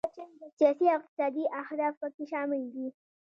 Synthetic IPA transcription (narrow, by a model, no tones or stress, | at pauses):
sijɑsiɪq̚t̪ɪ̥sɑd̪iʔahd̪ɑfpəkeʃɑmɪld̪i